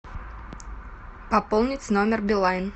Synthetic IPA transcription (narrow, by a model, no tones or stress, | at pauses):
pɐpolˠnʲɪtʲnomʲɪrbʲɪlˠajʲn